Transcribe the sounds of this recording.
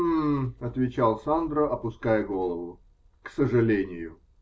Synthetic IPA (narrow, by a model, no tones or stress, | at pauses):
mɐt̪vʲɪt͡ɕalˠsand̪ɾəʔɐpʊskajəɡolˠəvʊ | ksəʐɨlʲenʲɪjʊ